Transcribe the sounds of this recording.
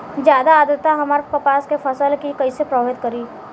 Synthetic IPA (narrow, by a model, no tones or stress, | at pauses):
d͡ʒjaːd̪aːd̪əɾt̪ːaɦɐmaɾpəpaːskepʰəsəlkikəisepɾəbɪt̪̚kəɾiː